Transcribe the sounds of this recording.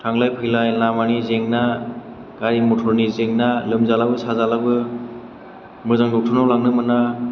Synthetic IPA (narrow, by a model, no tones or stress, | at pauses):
tʰaŋlajpʰɯjlajlamanizeŋna | ɡ̥aɾimutʰɔɾnizeŋnalɯmzalabɯsazalabɯ | mɯzaŋdɔtʰɯnawlaŋnɯmɯna